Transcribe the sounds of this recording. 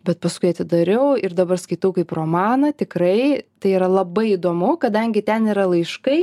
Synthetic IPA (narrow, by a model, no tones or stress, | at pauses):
bʲɛt̪̚pɐskʊɪɐt̪ʲɪd̪ɐɾʲɛʊɪrd̪ɐbɐrskɐɪt̪ɐʊkɐɪproːmɑːnɐt̪ʲɪkɾɐɪt̪ɐɪiɾɐlˠɐbɐɪid̪oːmʊkɐd̪ɐŋʲɡʲɪt̪ʲɛniɾɐlˠɐɪʃkɐɪ